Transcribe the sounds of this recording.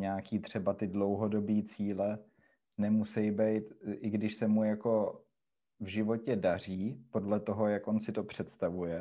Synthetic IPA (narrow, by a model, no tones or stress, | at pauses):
ɲaːkiːt̪r̝̥ɛbat̪ɪdlowɦo̞do̞biːt͡siːlɛ | nɛmusɛjbɛjt̪ʔɪɡdɪʃsɛmujako̞ | vʒɪvo̞cɛdar̝iːpo̞dlɛt̪o̞ɦo̞jakʔonsɪt̪o̞pr̝̥ɛt̪st̪avujɛ